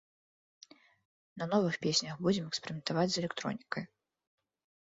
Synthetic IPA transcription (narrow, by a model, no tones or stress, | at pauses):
nɐnɔvɨxpʲesʲnʲɐxbud͡zʲɛmɛkspʲeɾʲimʲɛnt̪avad͡zʲzɛlʲɛkt̪ɾɔ̰nʲikɐj